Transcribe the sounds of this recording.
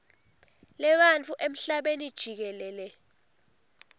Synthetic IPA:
lɛɓant͡fʰʼuʔem̩ɬaɓenid̥ʒ̥ʱik̬ɛlɛːlɛ

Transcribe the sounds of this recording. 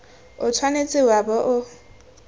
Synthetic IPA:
ʊtʰwanet͡sʼɪwabɔʔʊ

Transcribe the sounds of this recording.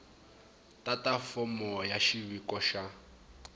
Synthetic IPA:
tatafɔmɔjaʃiβikɔʃa

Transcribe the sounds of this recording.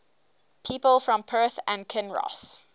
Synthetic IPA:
pʰiːpəlˠfɹɔ̃mpʰɜθə̃nkʰɛ̃nɹɔ̰s

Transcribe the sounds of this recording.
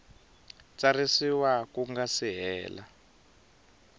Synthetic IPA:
t͡sarisiwakuŋɡasiɦɛ̰ːla̰

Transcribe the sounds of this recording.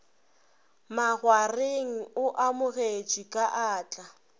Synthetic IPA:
maɣwareŋ̩ʊʔamʊɣet͡ʃʼikʼaʔaːt͡ɬʼa

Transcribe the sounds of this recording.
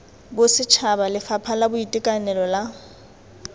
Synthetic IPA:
bʊsɪt͡ʃʰabalɪfapʰalabʊitʼɪkʼanɛlɔla

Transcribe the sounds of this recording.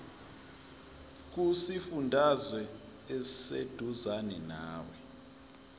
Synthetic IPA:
k̬usifundʱazwɛː | sḛd̥ʱuzanɛna̰ːwɛ

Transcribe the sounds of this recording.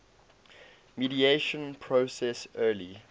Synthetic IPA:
midieʃə̃npʰɹosɛsɜːli

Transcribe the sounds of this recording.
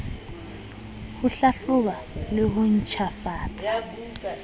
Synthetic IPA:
hʊɬaɬʊβalɪɣʊn̩t͡ʃʰafaːtʰa

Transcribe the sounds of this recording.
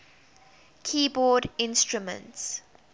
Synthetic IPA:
kʰiːbɔːdɪ̃nstɹumə̰̃nts

